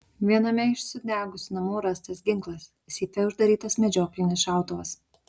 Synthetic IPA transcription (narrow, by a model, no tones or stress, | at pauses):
ʋʲiɛnɐmʲɛɪʃʲsʲʊd̪ʲæːɡʊsʲʊnɐmuːɾɐst̪ɐs̬ɡʲɪŋklˠɐsʲ | sʲiːp̪ʲɛʊʒd̪ɐɾʲiːt̪ɐsmʲɛd͡ʒʲoːklʲɪnʲɪsʃɑˑʊt̪oʋɐs